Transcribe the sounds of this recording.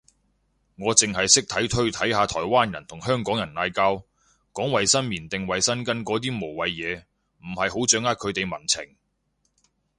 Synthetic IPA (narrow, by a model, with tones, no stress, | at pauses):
ŋɔː˨˧t͡sɪ˨ŋɦɐ˨jsɪ˥k̚t̪ʰɐ˨˥jt̪ʰɵ˥ɥt̪ʰɐ˨˥jhaː˨˧t̪ʰɔː˨˩jwaː˥njɐ˨˩nt̪ʰʊ˨˩ŋhœː˥ŋkɔː˨˥ŋjɐ˨˩nːaː˧jkaː˥w | kɔː˨˥ŋwɐ˨jsɐ˥nmiː˨˩nt̪ɪ˨ŋwɐ˨jsɐ˥nkɐ˥nkɔː˨˥t̪iː˥mo˨˩wwɐ˨˧jjɛː˨˧ | m̩˨˩hɐ˨jho˨˥wt͡ʃœː˨˥ŋaː˥t̚kʰɵ˨˧ɥt̪e˨jmɐ˨˩nt͡sʰɪ̰˨˩ŋ